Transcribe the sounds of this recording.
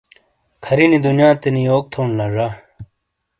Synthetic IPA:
kʰɐɾinid̪unjãːt̪enijoːk̚t̪ʰoːnlɐʐa

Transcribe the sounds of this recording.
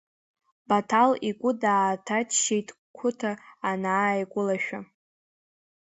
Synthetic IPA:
batʰaliɡʷʼʊdaːtʰat͡ʃʰʃejtʰʼ | kʷʰʊtʰaːnaːjɡʷʊlaʃᶣa

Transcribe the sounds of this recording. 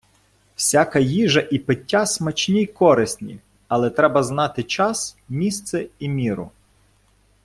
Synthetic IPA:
w̥sʲakɐjiʒɐʔipɪtʲːasmɐt͡ʃnʲijkɔɾɪsʲnʲḭ | ɐlˠɛt̪ɾɛbɐznɑt̪ɪt͡ʃɑsmʲist̪sɛimʲiɾʊ̰

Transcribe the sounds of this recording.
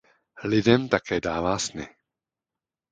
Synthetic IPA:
lɪdɛmt̪akɛːdaːvaːsnɪ̰

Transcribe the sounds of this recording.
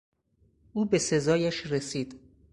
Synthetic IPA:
ʔuːbe̞se̞zɒːjæʃɾesiːd̪̥

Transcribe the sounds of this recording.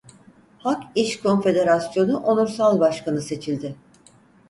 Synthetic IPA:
hakiʃkʰo̞nfe̞d̪e̞ɾasjo̞nuʔonuɾsalˠbaʃkanɯse̞t͡ʃʰilʲd̪ɪ

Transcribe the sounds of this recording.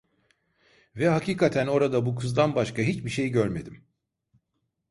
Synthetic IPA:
vɛhaciːkʰat̪ʰæno̞ɾad̪abukʰɯzd̪anbaʃkaɦit͡ʃbiʃe̞jiɟøɾme̞d̪im

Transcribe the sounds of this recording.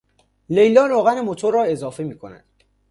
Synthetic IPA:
le̞jlɒːɾoɣænemot̪ʰoɾːɒːe̞zɒːfe̞miːkʰonæ̰d̪̥

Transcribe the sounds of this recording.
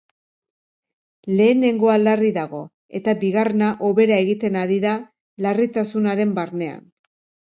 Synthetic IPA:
le̞ːne̞ŋɡo̞alariðaɣ̞o̞ | e̞t̪abiɣarenaʔo̞βe̞ɾae̞ɣit̪e̞naɾiða | larit̪asunaɾe̞mbaɾne̞a̰n

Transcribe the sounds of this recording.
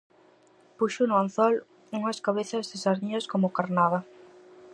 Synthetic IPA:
puʃʊnʊanθɔl | uŋɐskaβeθɐzðɪsaɾðiɐskomʊkaɾnaðɐ

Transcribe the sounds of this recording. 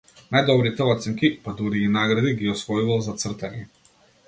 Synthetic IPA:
najd̪ɔbɾit̪ɛlˠat̪sɛŋkipad̪uɾiːnaɡɾad̪iɡiɔsvɔjuvalˠzat̪sr̩t̪ɛɲɛ

